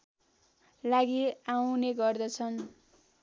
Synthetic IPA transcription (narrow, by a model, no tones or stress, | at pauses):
laɡiawneɡʌrd̪ʌt͡sʰʌn